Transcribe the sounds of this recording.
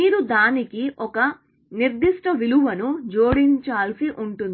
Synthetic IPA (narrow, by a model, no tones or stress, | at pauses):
miːɾud̪aːnikiʔɔkɐ | niɾd̪iʂʈɐʋiluʋɐnud͡ʒoːɽiɲt͡ʃaːlsiʔuɳʈund̪i